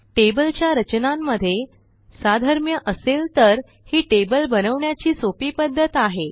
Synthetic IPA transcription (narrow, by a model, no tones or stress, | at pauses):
ʈebəlt͡ɕjaɾət͡ɕnamːəd̪ʱːje | sad̪ʱəɾmjəʔəselt̪əɾ | hiːʈebəlbənəʋɳjat͡ɕiːsopiːpəd̪ʱːət̪aɦe